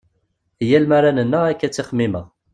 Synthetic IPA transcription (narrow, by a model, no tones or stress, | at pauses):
jælmæɾanənːəʁækːæt͡sːiχmːiməʁ